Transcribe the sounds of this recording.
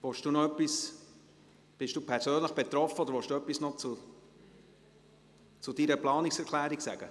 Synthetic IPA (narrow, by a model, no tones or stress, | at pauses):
vɔʃd̥uːnɔœpːis | b̥ɪʃd̥uːpʰɛɾsøːnləχb̥et̪ɾɔfːəɔdəɾvɔʃd̥uœpːisnɔt͡su | t͡sud̥iːɾəplɑːniksɛɾkʰlæːɾiksæ̰ɡ̥ə̰